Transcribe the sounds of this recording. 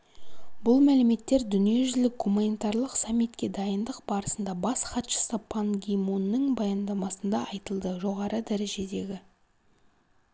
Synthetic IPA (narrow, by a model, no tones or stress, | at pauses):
bʊlˠmælɪme̞t̪ːe̞ɾd̪ʏnije̞ʒʏlɪk̚ɡumanʲit̪ɑɾlˠəqsamːit̪kʲe̞d̪ɑjənd̪əqbɑɾəsənd̪ɑbɑsχɑt̪ʃə̥səpʰanɡʲimonːəŋbɑjɑnd̪ɑmɑsənd̪ɑɑjt̪əlˠd̪əʒo̞ʁɑɾəd̪æɾe̞ʒe̞d̪e̞ɡʲɪ